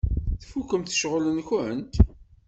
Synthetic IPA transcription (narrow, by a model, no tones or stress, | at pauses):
θfukːəmθə̥ʃʁlənkənt̪